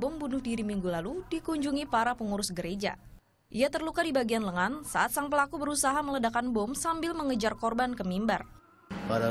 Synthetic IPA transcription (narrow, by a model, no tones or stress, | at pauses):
bɔmbunʊhdiɾimiŋɡulaludikuɲd͡ʒuŋipaɾapəŋuɾʊsɡəɾed͡ʒa̰ | ʔiat̪ərlukadibaɡianləŋansa̰ʔat̪̚saŋpəlakubəɾusaɦamələdakanbɔmsambɪlməŋəd͡ʒarkɔrbankəmimba̰r | paɾa